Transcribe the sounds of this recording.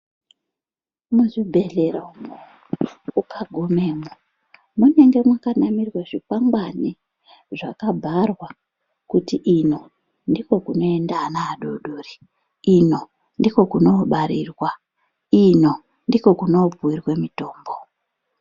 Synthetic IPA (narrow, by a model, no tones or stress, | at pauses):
muzibʱe̞ɮeɾaumu | ukaɡʱomeːmu | mune̞ŋɡe̞mwakanamirwaʐipaŋɡwani | ʐakabʱarwa | kutiʔino̞ | ndiko̞kuno̞endanaːɗoɗori | ino̞ | ndiko̞kuno̞ɓaɾiːrwa | ino̞ | ndiko̞kuno̞puwirwe̞mito̞ːmbo